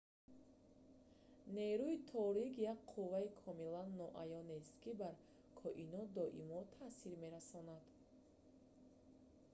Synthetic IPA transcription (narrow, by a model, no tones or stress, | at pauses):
ne̞ɾuit̪ʰɔɾikjak̚qʰuvaikʰɔmilanːɔʔajɔnest̪kibaɾ | kʰɔʔinɔd̪ɔʔḭmɔt̪ʰasiɾme̞ɾasɔnad̪̥